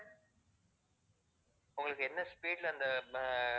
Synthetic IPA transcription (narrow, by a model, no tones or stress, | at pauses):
ʊŋɡɐɭɯkːɯɛnːɐspiːɖlɐnd̪ɐ